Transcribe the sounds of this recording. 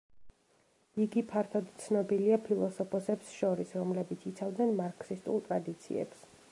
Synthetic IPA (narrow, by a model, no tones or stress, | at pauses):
iɡipʰaɾt̪ʰɔd̪t̪sʰnɔbiliapʰilˠɔsɔpʰɔsɛpsʃɔɾisɾɔmlɛbit̪sʰit̪sʰavd̪nɛnmaɾkʰsist̪ʼṵlˠt̪ʼɾad̪it̪sʰḭɛ̰ps